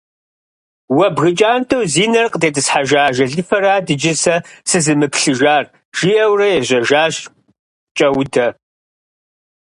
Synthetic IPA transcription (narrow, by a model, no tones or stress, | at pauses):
wɐbɣɨt͡ʃʼaːntʰowziːnɐrqʼətʰeːtʰʼɨsħaʒaːʒɐɮɨfɐɾaːdɨd͡ʒɪsɐsɨzɨmɨpɬɨʒaːr | ʒ̥iɐwrɐjɛʑʷɐʒaːɕ | t͡ʃʼɐwdʰɐ